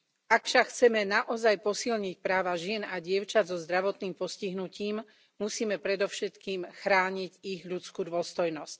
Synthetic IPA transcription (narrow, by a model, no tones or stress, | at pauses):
akfʃakxt͡sɛmɛnaʔɔzajpɔsilɲic̚pɾaːʋaʒɪɛnaɟɪɛʊt͡ʃazɔzd̪ɾaʋɔt̪niːmpɔsciɦnuciːm | musiːmɛpɾɛd̪ɔʊʃɛt̪kiːmxɾaːɲiɟiɣʎut͡skuːd̪ʋɔst̪ɔjnɔsc̚